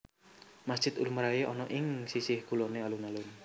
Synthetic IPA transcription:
masd̥ʒ̥ɪt̪uluməɾajeɔnɔʔɪŋsisɪhɡ̥ulonealunalʊn

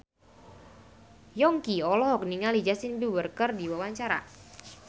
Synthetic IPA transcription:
jɔŋkiɔlɔɦɔk̚niŋalid͡ʒasinbiwərkərdiwawaɲt͡ʃaɾa̰

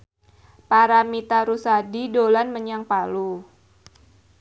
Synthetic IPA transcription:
paɾamit̪aɾusadidolanməɲaŋpalu

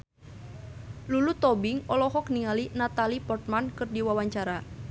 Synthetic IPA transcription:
lulut̪ɔbiŋɔlɔɦɔkniŋalinat̪alipɔrt̪̚mankɨrdiwawaɲt͡ʃaɾa

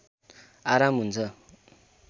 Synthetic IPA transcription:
aɾamɦunt͡sʰʌ

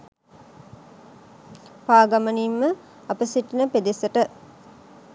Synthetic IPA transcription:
paːɡaməniːmːə | ɐpəsiʈinəped̪esəʈə

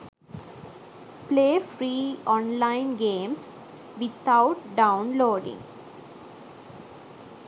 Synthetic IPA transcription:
pleːfɾiːɔ̃ːnlãɪ̃nɡẽːms | ʋɪt̪ʰaʊʈɖãʊ̃nloːɖɪ̰̃ŋ

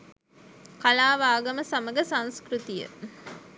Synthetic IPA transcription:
kalaːʋaːɡɐməsɐmɐɡɐsɐŋskɾut̪ijə̰

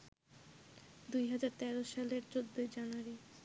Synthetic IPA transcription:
d̪ujɦad͡ʑaɾt̪ɛɾoʃaleɾt͡ɕod̪ːojd͡ʑanuaɾi

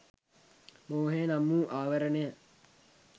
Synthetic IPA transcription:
moːɦeːnamːuːʔaːʋəɾənejə

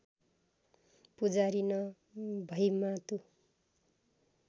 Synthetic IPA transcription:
pud͡zaɾinʌ | bʱʌjmat̪u

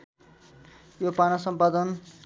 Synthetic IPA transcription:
jopanʌsʌmpad̪ʌn

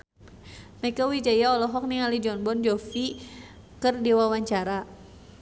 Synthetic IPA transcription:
mɛkawid͡ʒajaɔlɔɦɔk̚niŋalid͡ʒɔnbɔnd͡ʒɔfi | kərdiwawaɲt͡ʃaɾa

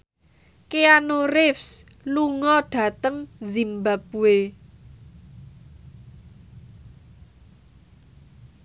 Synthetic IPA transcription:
keanorɪfs | luŋɔɖ̥ä̤t̪əŋzimbap̚uwe

